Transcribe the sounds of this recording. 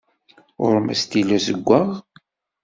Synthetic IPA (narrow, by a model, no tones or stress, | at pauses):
ʊ̰ɾˤmæ̰st̪ilæzəɡʷːəʁ